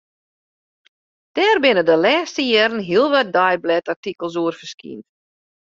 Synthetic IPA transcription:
d̥ɛːrbɪnədəlɛːstəjɛɾən̩ɦiəlˠʋat̚dajblɛtartikəlˠsuərfərskḭnt

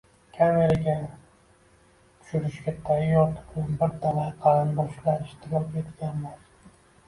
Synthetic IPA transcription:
kʲʰameɾaɡʲa | t̪ʰʊ̥ʃʊɾɪʃkʲat̪ʰajjɒt̪ʰɪ̥pnanbɪɾt̪ʰalaqʰɑɾand̪ɒʃlaɾɪʃt̪ʰɪɡɒet̪kʲanmaz

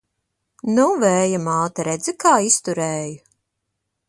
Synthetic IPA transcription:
nuvɛːjamaːt̪aɾɛd̪zikaːist̪uɾɛːju

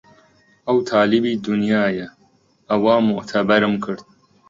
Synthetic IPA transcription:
ʔɐwt̪ʰaːlɪbiːd̪ʊnjaːjɐ | ʔɐwaːmʊʔt̪ʰɐbɐɾɨmkʰɨɾd̪̚

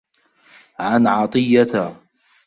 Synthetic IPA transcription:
ʕanʕɑt̪ˤɨjːat̪a

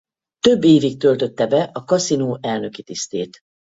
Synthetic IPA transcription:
t̪ø̞bːeːvik̚t̪ø̞lt̪ø̞t̪ːɛbɛʔɒkɒsinoːʔɛlnø̞kit̪ist̪eːt̪

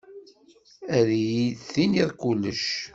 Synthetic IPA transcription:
æɾjiðθiniðˤkulːəʃ

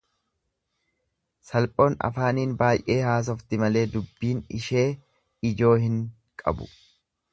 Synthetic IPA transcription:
sɐlpʼo̞ːnɐ̰faːniːnbaːjʔe̞ːhaːs̬ɔft̪ɪmɐle̞ːd̪ʊbːiːnɪ̰ʃe̞ː | ɪd͡ʒo̞ːhɪŋ | kʼɐ̰bʊ̰

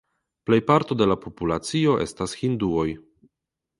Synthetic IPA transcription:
ple̞jpaɾto̞de̞lapʰo̞pulat͡sio̞ʔe̞̰stashinduo̞j

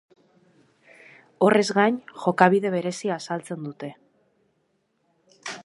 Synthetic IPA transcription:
o̞rʔe̞zɣaɲxo̞kaβ̞ið̞e̞βe̞ɾe̞siaːsalt͡se̞nd̪ut̪e̞

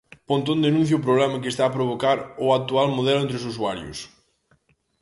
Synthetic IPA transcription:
põnt̪õnd̪enũn̟θjɐʊpɾoβlɛmɐk̬est̪aːpɾoβ̞okaɾʊak̚t̪ualmoðɛlʊent̪ɾɪs̬us̬uaɾjʊ̰s

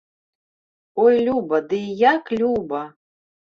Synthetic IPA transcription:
ojlʲubɐd̪ɨjaklʲubɐ

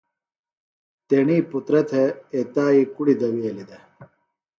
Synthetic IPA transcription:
t̪eɳiːput̪ɾɐt̪ʰeet̪aːikuɽid̪ɐwielid̪e

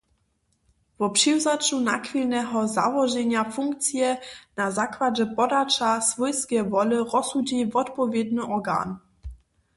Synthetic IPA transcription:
v̥ɔpʂiwzat͡ʃunakvilnɛɦɔza̰vɔʒɛɲafuŋkt̪t͡sjɛnazakvad͡ʑɛpɔdat͡ʃasv̥ɔjskʲɛvɔlɨʁɔsud͡ʑivɔt̪pɔvʲjɛd̪nɨʔɔɡa̰n

